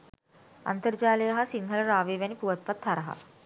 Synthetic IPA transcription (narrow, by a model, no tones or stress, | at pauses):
ɐ̰nt̪ɐɾd͡ʒaːlɐjɐɦɐsiŋɡʱɐlɐɾaːʋeːʋɐnipuʋɐt̪̚pɐt̪hɐɾɐɦɐ̰